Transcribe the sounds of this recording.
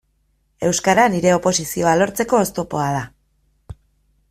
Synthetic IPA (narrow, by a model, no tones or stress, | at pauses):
e̞wskaɾaniɾe̞o̞po̞sisio̞alo̞ɾt͡se̞ko̞ːst̪o̞po̞aða